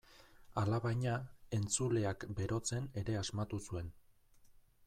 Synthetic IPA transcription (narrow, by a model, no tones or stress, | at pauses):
alaβajɲae̞nt͡sule̞akbe̞ɾo̞t͡se̞ne̞ɾe̞azmat̪usue̞n